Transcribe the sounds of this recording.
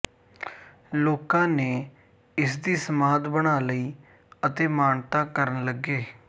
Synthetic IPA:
loːkãːneː | ɪsd̪iːsəmaːd̪bəɽaːləiː | ət̪eːmaːnt̪aːkəɾənləɡeː

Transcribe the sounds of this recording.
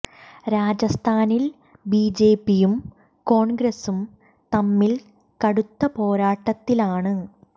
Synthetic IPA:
ɾaːd͡ʑɐst̪ʰaːnil | biːd͡ʑe̞ːpːijum | ko̞ːɳɡɾɐsum | t̪ɐmːil | kɐɽut̪ːɐpo̞ːɾaːʈːɐt̪ːilaːɳɨ

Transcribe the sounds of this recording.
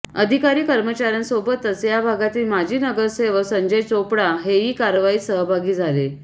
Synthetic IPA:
əd̪ʱikaɾiːkəɾmət͡ɕaɾjənsobət̪ːəsjabʱaɡat̪iːlmad͡ʑʱiːnəɡəɾseʋəsəɲd͡ʑəjt͡sopɽaɦeɦiːkaɾʋaiːsəɦbʱaɡiːd͡zʱale

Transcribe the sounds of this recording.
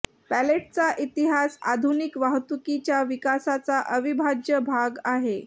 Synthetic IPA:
pæleʈ̚t͡saʔit̪iɦasa̰d̪ʱunikʋaɦt̪ukit͡ɕjaʋikasat͡saʔəʋibʱad͡ʑjəbʱaɡaɦe

